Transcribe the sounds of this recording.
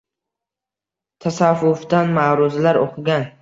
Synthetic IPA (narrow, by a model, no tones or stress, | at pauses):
t̪ʰasavːʊfd̪anmaːɾʊzlaɾo̰qʰɨɡʲan